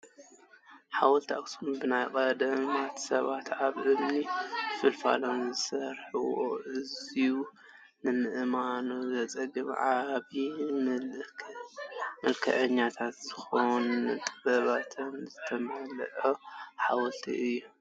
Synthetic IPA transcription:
ħawɔlt̪ʰia̰ksunbɨnajkʼɐd̪ɐmat̪sɐβat̪aβʔɨmnifɨlfa̰lomzɨsɐɾħɨwo̰ʔɨziu | nɨmɨʔɨmanozɐt͡sʼɐɡɨmʕaβi | mɐlkʰɐʔɐɲːat̪ʰat̪zɨxownt̪ʼɨbɐβat̪ʰɨnzɨt̪ʰɐmɐlʔoħawɔlt̪ʰḭʔɨjːu

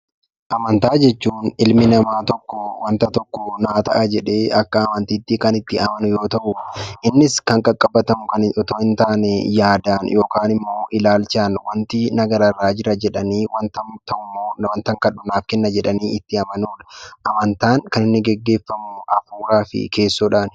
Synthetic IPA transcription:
ʔɐmɐnt̪aːd͡ʒɛt͡ʃːuːnɪlmɪnɐmaːt̪ɔkːɔwɐnt̪ɐt̪ɔkːɔnaːt̪ɐ̰ʔɐd͡ʒɛᶑe̞ːɐkːɐːmɐnt̪iːt̪ːikɐnɪt̪ːɪɐmɐnʊjo̞ːt̪ɐʔʊʔɪnːɪskɐŋkʼɐkʼːɐbːɐt̪ɐmʊkɐnɔt̪oːhɪnt̪aːnɛjaːd̪aːnjo̞ːkaːnɪmːo̞ːʔɪlaːlt͡ʃaːnwɐnt̪ɪnɐɡɐɾɐrːaːd͡ʒɪɾɐd͡ʒɛᶑɐniːwɐnt̪ɐmt̪ɐʔʊmːoːnwɐnt̪ɐŋkɐɗʊnaːfkɛnːɐd͡ʒɛᶑɐniːɪt̪ːɪɐmɐnuːᶑɐʔɐmɐnt̪aːŋkɐnɪnːɪɡɛɡːe̞ːfːɐmʊʔɐfuːɾaːfɪ̰kʰe̞ːsːoːᶑaːn

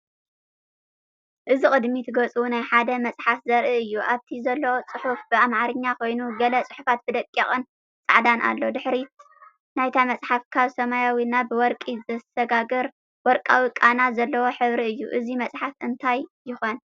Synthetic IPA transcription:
ʔɨzikʼɨd̪mit̪ʰɨɡɐt͡sʼuwunajħad̪ɐmɐt͡sʼħafzɐɾʔɨɨjːuʔaβt̪ʰizɐlːɐwot͡sʼɨħufbɨamʕaɾɨɲːakʰo̞jnuɡɐlɐt͡sʼɨħufat̪̚b̥ɨd̪ɐkʼːɐχʼɨn | t͡sʼɨʕd̪anʔa̰lːo̞d̪ɨħɾi | najt̪ʰamɐt͡sʼħafkʰaβsɐmajawinabɨwɔɾkʼizɐsɐɡaɡɐɾ | wɔɾkʼawikʼanazɐlːɐwo̞ħɨβɾiɨjːṵʔɨzimɐt͡sʼħafɨnt̪ʰajjɪxon

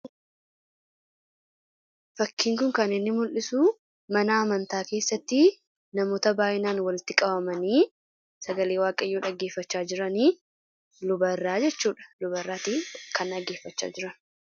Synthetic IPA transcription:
fɐkːiːŋkʊŋkɐnɪnːɪmʊlʔɪsuː | mɐnaːmɐnt̪aːke̞ːsːɐt̪ːɪ | nɐmoːt̪ɐbaːʔɪnaːnwɐlɪt̪ɪkʼɐbɐmɐniː | sɐɡɐleːwaːkʼɐjoːᶑɐɡːeːfːɐt͡ʃːaːd͡ʒɪɾɐniː | lʊbɐrːaːd͡ʒɛt͡ʃːuːᶑɐ̥lʊbɐrːaːt̪iːkɐnɐɡːe̞ːfːɐt͡ʃːa̰ːd͡ʒɪɾɐn

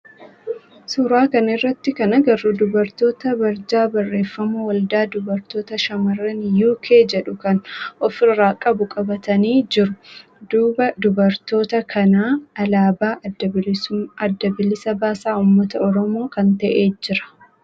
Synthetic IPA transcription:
sʊɾaːkɐnɪrːɐt̪ːɪkɐnɐɡɐɾuːd̪ʊbɐɾt̪o̞ːt̪ɐbɐɾd͡ʒaːbɐrːe̞ːfːɐmɐwɐld̪aːd̪ʊbɐɾt̪o̞ːt̪ɐʃɐmɐrːɐnjuːkʰeːd͡ʒɛᶑʊkɐnɔfɪrːaːkʼɐbʊkʼɐbɐt̪ɐniːd͡ʒɪɾʊ | d̪uːbɐd̪ʊbɐɾt̪o̞ːt̪ɐkʰɐnaːɐlaːbaː | ɐd̪ːɐbɪlɪsɐbaːsaːuːmːɐt̪ɐɔɾɔmo̞ːkɐnt̪ɐʔeːd͡ʒɪɾɐ̥

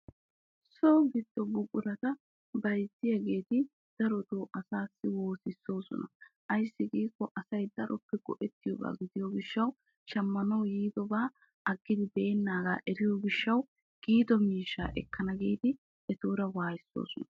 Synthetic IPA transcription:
soːɡɪd̪ːɔbʊkʼʊɾɐt̪ɐ | bɐjtːɪjɐɡe̞ːt̪ɪ | d̪̥ɐɾɔt̪oːʔɐsaːsːɪwoːsɪsːo̞ːsɔ̰nɐ̰ʔɐjsːɪɡiːkːɔʔɐsɐjd̪ɐɾʔɔpːɛɡ̥ɔ̰ʔɛt̪ːɪjɔba̰ːɡɪd̪ɪjɔɡɪʃːɐw | ʃɐmːɐnɐwjiːd̪ɔbaː | ʔɐɡːɪd̪ɪbe̞ːnːaːɡa̰ːʔɛɾɪjɔɡɪʃːɐw | ɡ̥iːd̪ɔmiːʃːa̰ːʔɛ̰kːɐnɐɡeːt̪ɪ | ɛt̪uːɾɐwaːjɪsːo̰ːsɔnɐ̥

